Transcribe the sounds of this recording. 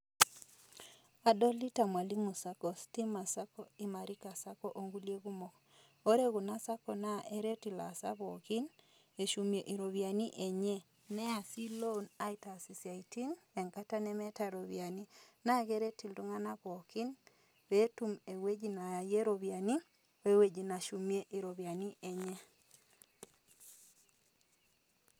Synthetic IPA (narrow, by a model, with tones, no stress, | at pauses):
a˨dɔ˦li˦ta˨mwa˨li˦mu˨sa˦kɔ˨sti˦ma˨sa˦kɔ˦i˨ma˨ɾi˦ka˨sa˦kɔʔo˨ŋɡu˦lje˦ɣu˦mo˨k | o˦ɾe˦ɣu˨na˦sa˦kɔ˨na˦ʔe˦ɾe˦ti˨la˨sa̰˦βɔ˨ki˦n | e˨ʃu˨mje˨ʔi˨ɾo˨βja˨ni˦ʔe˨ɲe˦ | nɛ˦a˨si˦lo˦na˦ita˨si˨sja˨iti˦ne˨ŋka˦ta˦nɛ˦mɛ˦ta˦ɾo˨βja˨ni˦na˦ɡe˦ɾe˦ti˨ldu˦ŋa˦na˦βo˨ki˦n | be˦tu˦me˨we˦d͡ʒi˨na˨je˦ɾo˨βja˨ni˦ | e˦we˨d͡ʒi˨na˨ʃu˨mje˦ʔi˨ɾo˨βja˨ni˦ʔe˨ɲe˦